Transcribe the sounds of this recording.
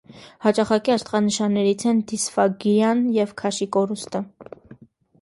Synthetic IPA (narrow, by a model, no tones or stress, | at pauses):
hɑt͡ʃɑχɑkiɑɾt̪ʁɑnəʃɑnːɛɾit͡sʰɛnd̪isfɑɡiɾjɑnjɛvkʰɑʃikɔɾust̪ə